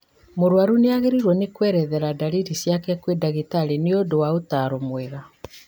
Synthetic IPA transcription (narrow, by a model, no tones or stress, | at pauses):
moɾwaɾuneaɣeɾiɾwɔnekwɛːɾɛðɛɾadaliɾisjakɛkwedaɣetaɾeneodowaotaɾomwɛɣa